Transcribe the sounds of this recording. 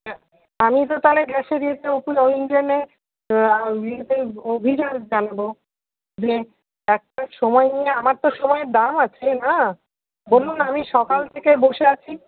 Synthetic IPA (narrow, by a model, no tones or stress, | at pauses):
amit̪̬ot̪aleɡɛʃed̪iet̪ʰeopuoiŋɡene | iet̪ʰeobʱid͡ʑaɾd͡ʑanabo | d͡ʑe | ɛk̚ʈaʃɔmɔenijeamaɾt̪oʃɔmɔeɾd̪amat͡ɕʰena | bolunamiʃɔkalt̪ʰekeboʃeat͡ɕʰi